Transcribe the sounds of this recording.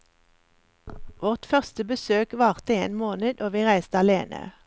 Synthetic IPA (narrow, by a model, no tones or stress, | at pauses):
ʋɔʁt̪fœʁst̪əbəsøːkʋɑːʁt̪əeːnmoːnəd̪ʔoːʋiːʁæɪst̪əɑleːnʔə̰